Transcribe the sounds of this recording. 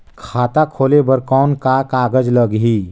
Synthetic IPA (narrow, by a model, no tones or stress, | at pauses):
kʰaːt̪akʰoːlebəɾkɔːnkakaːɡəd͡ʒləɡɦi